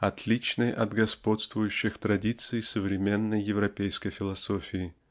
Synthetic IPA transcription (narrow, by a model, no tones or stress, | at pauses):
ɐt̪lʲit͡ɕnəjʔɐd̪ɡɐspo̞t̪st̪vʊjʉɕːɪxt̪ɾɐdʲit̪sɨɪsəvɾʲɪmʲenːəjːɪvɾɐpʲejskəjfʲɪlˠɐsofʲɪɪ